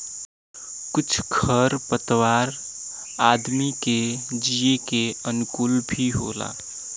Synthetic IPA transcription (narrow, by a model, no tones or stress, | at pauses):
kʊt͡ʃʰkʰəɾpət̪waːɾ | aːd̪miked͡ʒijekeənʊkulbʱiɦo̰ːla̰ː